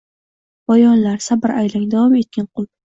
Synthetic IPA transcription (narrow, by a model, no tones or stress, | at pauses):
bɒjɒnlaɾsabɪɾʔajlɪŋd̪avɒme̞t̪̚kʲanqʰʊlˠ